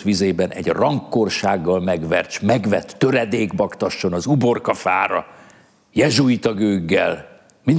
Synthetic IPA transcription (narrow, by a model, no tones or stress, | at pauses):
t̪ʋizeːbɛnʔɛ̰ɟrɒŋkːorʃaːɡːɒlmɛɡʋɛrt͡ʃmɛɡʋɛt̪ːøɾɛd̪eːɡbɒkt̪ɒʃːo̞nɒzubo̞rkɒfaːɾɒ̰ | jɛʒujt̪ɒɡøːɡːɛ̰l | min